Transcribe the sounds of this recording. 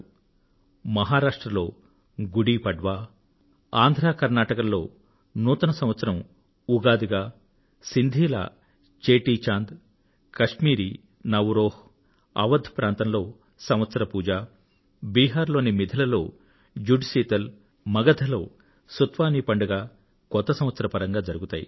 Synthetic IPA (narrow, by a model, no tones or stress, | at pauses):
mɐɦaːɾaːʂʈɾɐloː | ɡuɽiːpɐɖʋaː | aːnd̪ʱɾaːkɐɾnaːʈɐkɐllo̞ː | nuːt̪ɐnɐsɐmʋɐt̪sɐɾɐm | uɡaːd̪iɡaː | sind̪ʱiːla̰ː | t͡ʃeːʈiːt͡ʃaːnd̪ | kɐʂmiːɾi | nɐʋɾoːh | ɐ̰ʋɐd̪ʱpɾaːnt̪ɐmlo̞ː | sɐmʋɐt̪sɐɾɐpuːd͡ʒaː | biːɦaːɾlo̞ːnimid̪ʱɐlɐlo̞ː | d͡ʒuɖsiːt̪ɐl | mɐɡɐd̪ʰʱɐloː | sut̪ʋaːniːpɐɳɖɐɡaː | kɔt̪ːɐsɐ̃mʋɐt̪sɐɾɐpɐɾɐŋɡaːd͡ʒɐɾuɡut̪aːjḭ